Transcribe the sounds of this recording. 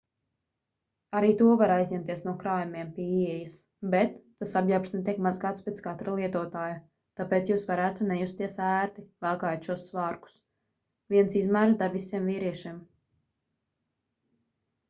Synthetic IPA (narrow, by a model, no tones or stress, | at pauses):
aɾiːt̪uɔvaɾajzʲɲʲɛmt̪iɛsnuɔkɾaːjumʲiɛmpiiɛjas | bɛt̪ːasabjapsnɛt̪̬ʲiɛkmazɡaːt̪spet̪skat̪ɾalˠiɛt̪uɔt̪aːju | t̪apeːt̪juːsvaɾæːt̪unɛjust̪iɛsæːɾt̪ivalˠkaːjt̪ʃuɔsːvaːɾku̥s | viɛnsizmæːɾsd̪aɾvisiɛmviːɾiɛʃiɛm